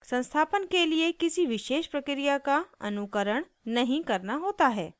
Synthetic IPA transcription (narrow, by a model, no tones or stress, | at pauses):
sɐ̃nst̪ʰaːpənkeliekɪsiʋɪʃeːʃpɾəkɾijakaɐ̰nʊkəɾəɽ̃ | nɐɦĩkɐɾnaɦoːt̪aɦɛ̰ː